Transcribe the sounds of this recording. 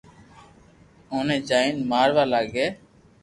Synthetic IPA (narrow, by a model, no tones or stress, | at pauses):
oːnẽːd͡ʒaːiːnmaːɾʋaːlaːɡeː